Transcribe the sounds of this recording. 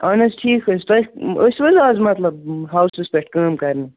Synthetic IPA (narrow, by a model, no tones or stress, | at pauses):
aːnɐsʈʰiːkɐst̪ɐəsʋɐzaːzmɐt̪lɐb̚ɦawsɨspeʈʰkɐːmkɐɾnɐ